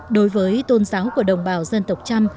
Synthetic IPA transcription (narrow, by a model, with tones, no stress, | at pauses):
ɗo˨˦jvəː˨˦jt̪o˧nzaː˨˦wku˧˩əɗə˨˩wŋ͡mɓaː˧˩wzə˧nt̪ə˨˩wk͡p̚t͡ɕa˧m